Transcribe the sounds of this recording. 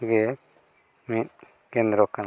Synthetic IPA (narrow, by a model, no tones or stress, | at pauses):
ɡɛ | mit̪̚ | kɛnd̪ɾɔkan